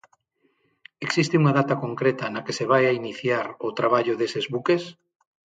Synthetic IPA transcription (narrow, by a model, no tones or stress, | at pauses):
eksist̪euŋaðat̪ɐkoŋkɾet̪ɐnɐkeseβ̞ajainiθjaɾot̪ɾaβ̞aʎʊðesezβukes